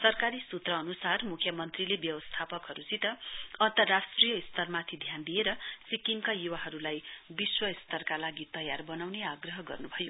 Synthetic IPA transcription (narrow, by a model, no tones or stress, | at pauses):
sʌrkaɾisut̪rʌːnusarmukʰjʌmʌnt̪rilebjʌwʌst̪ʰapʌkɦʌɾut͡sit̪ʌʌnt̪ʌrːasʈrijʌist̪ʰʌrmat̪ʰid̪ʱjand̪ieɾʌsikiŋkajuwaɦʌɾulajbiswʌist̪ʰʌrkalaɡit̪ʌjarbʌnawneaɡrʌɦʌɡʌ̰rnubʱʌjo